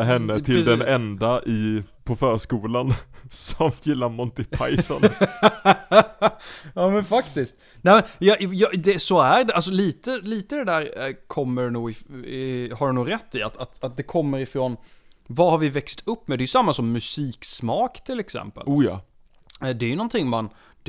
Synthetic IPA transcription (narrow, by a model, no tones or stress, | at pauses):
ɦɛnːət̪ʰɪld̪ɛnɛnd̪aʔɪpʰɔfœːɾʂkuːlansɔmjɪlːaɾmɔnt̪ɪp̪ʰa̰jt̪ɔ̰n | ɑːmɛnfakt̪ɪst̪ | nɛːmɛnjɑjɑd̪ɛsɔæɾɖɛals̬ɔliːt̪əliːt̪əd̪ɛd̪æːɾkʰɔmːəɖnuːɪ | haɖɛnuːɡɾɛt̪ːɪat̪at̪at̪̚d̪ɛkʰɔmːəɾɪfɾonvahaɾvɪvɛkst̪ʰɵpːmɛd̪ɛjɵsamːasɔmːɵsiːksmɑːkt̪ʰɪlɛksɛ̰mpə̰luːjɑ̰ː | d̪ɛæɾjɵnɔnt̪ʰɪŋːman